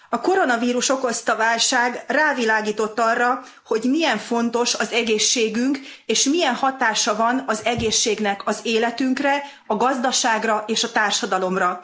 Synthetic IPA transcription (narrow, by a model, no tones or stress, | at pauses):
ɒko̞ɾo̞nɒviːɾuʃo̞ko̞st̪ɒvaːlʃaːɡraːvilaːɡiːt̪o̞t̪ːɒrːɒ | ho̞ɟmijɛɱfo̞nt̪o̞ʃɒzɛɡeːʃːeːɡyŋkeːʃmijɛnhɒt̪aːʃɒvɒnɒzɛɡeːʃːeːɡnɛkɒzeːlɛt̪yŋkrɛ | ɒɡɒzd̪ɒʃaːɡrɒʔeːʃɒt̪aːrʃɒd̪ɒlo̞mrɒ